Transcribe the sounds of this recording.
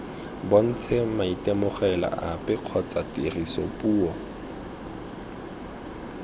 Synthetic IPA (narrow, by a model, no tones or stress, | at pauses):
bon̩t͡sʰemaitɛmʊχɛla̰ʔapʼɪq͡χʰɔt͡satɪrisɔ̰pʼuːɔ